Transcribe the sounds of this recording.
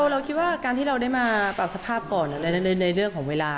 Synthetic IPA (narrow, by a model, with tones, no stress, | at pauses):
wɾa˧wkʰi˦˥t̪̚waː˥˩kaː˧nt̪ʰiː˥˩ɾa˧wdaː˥˩jmaː˧pa˨˩w̚sa˧pʰaː˥˩p̚kɔː˨˩nʔa˨˩la˧˩na˧nɯ˧na˧jɾɯ˥˩əŋkʰɔː˩˦weː˧laː˧